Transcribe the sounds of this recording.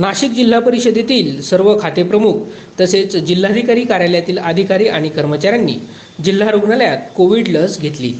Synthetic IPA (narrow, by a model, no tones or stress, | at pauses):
naɕik̚d͡ʑil̤ːapəɾiɕəd̪et̪iːlsəɾʋəkʰat̪epɾəmuk̚ʰ | t̪əset͡sd͡ʑil̤ːad̪ʱikaɾiːkaɾjaljat̪iːləd̪ʱikaɾiːʔaɽ̃ikəɾmət͡ɕaɾjanːḭː | d͡ʑil̤ːaɾoɡɳaljat̪̚koʋiɽləsɡʱet̪lḭː